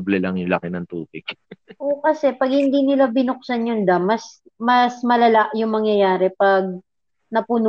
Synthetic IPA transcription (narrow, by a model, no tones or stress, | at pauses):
blɛlɐŋjʊŋlɐkɪnɐŋt̪ṵːpɪɡ̥ʔokɐsɛpɐɡ̚hɪnd̪inɪlabɪnʊk̚sanjʊnd̪ɐmːɐs | mɐsmɐlɐlaʔjʊŋmɐŋjɐjaːɾɛpɐɡ̚ | nɐpʊn